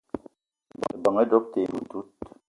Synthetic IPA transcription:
bba˨ŋɛ˦dɔ˦k̚te˨mu˨tu˦t̚

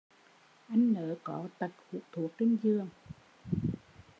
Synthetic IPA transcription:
ʔa˧jŋ̟nəː˨˦kɔ˨˦t̪ə˨˩t̚hu˨˦t̪ʰu˨˩ək̚t͡ɕe˧nzɨ˧əŋ

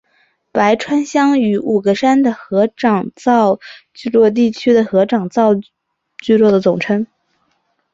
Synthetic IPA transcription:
pa˧˥ɪʈ͡ʂʰwa˥nɕjɑ˥ŋy˧˥ʔu˨˩ɡə˧˥ʂa˥nd̪ə˨xɤ˧˥ʈ͡ʂɑ˨˩ŋt͡sɑ˥˧ʊt͡ɕy˥˧lwɔ˥˧t̪̬i˥˩t͡ɕʰy˥d̪ə˨xɤ˧˥ʈ͡ʂɑ˨˩ŋt͡sɑ˥˧ʊ | t͡ɕy˥˧lwɔ˥˩d̪ə˩t͡sʊ˨˩ŋʈ͡ʂʰɤ˥ŋ

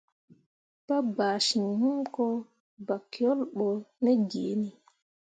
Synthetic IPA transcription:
pa˦baː˨ʃi˨nhu˦mkɔ˦ | ba˨kːi˨ɔ˦lɓɔ˨nɛ˦d͡ʒeː˨˦ni˦

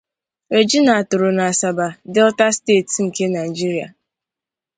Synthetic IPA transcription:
e˨d͡ʒi˦na˨a˨tʊ˨ɾʊ˨na˨a˨sa˨ba˨dɪ˦ɔ˦ta˦steː˦˨tŋ̩˨ke˦na˨i˨d͡ʒi˦ɾi˦˨a̰˨

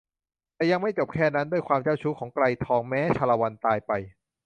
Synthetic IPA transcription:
t̪ɛː˨˩ja˧ŋma˥˩jt͡ɕo˨˩p̚kʰɛː˥˩na˦˥ndu˥˩əjkʰwaː˧mt͡ɕaː˥˩wt͡ɕʰu˦˥kʰɔː˩˦ŋkla˧jt̪ʰɔː˧ŋmɛː˦˥t͡ɕʰaː˧la˧wa˧nt̪aː˧jpa˧j

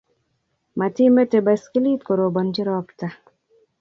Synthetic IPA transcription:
ma˨ti˦me˦te˨ba˨ski˦li˦tko˨ɾo˨bɔ˨nd͡ʒɪ˦ɾɔ˦kta˦

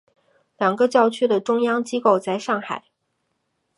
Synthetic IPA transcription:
ljɑ˨˩ŋɡə˦t͡ɕjɑ˥˧ʊt͡ɕʰy˥d̪ə˨ʈ͡ʂʊ˥ŋjɑ˥ŋt͡ɕi˥ko˥˧ʊt͡sa˥˧ɪʂɑ˥˩ŋxa̰˨˩˦ɪ

